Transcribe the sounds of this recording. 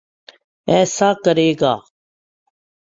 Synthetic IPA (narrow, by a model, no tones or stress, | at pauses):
ɛːsaːkəɾeːɡaː